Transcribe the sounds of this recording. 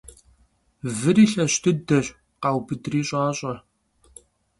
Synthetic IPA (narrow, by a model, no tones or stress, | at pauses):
vɨɾiːɬɐɕtʰɨdɐɕ | qɑːwbɨdriːɕʼaːɕʼɐ